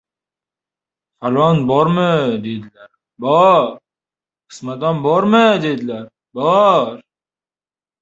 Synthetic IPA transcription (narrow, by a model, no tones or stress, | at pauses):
faɾvanbɒɾmɪd̪ed̪ɪlaɾ | bɒɾ | qʰɨ̥smat̪anbɒɾmɪd̪ed̪ɪlaɾ | bɒɾ